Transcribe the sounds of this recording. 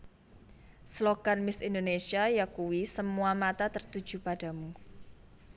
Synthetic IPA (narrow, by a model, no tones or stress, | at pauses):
slokanmɪsind̪onesiajakuwisəmuamat̪at̪ərt̪ud̥ʒ̥ṳpad̥a̤mu